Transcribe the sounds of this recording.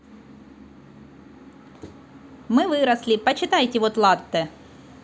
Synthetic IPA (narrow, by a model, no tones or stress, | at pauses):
mɨvɨɾɐslʲɪpɐt͡ɕɪt̪ajtʲɪvot̪lˠat̪ːɨ